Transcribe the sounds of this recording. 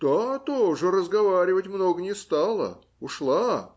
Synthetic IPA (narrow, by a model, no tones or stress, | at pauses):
d̪̥at̪oʐɨrəzɡɐvaɾʲɪvətʲmnoɡənʲɪst̪alˠə̰ | ʊʂlˠa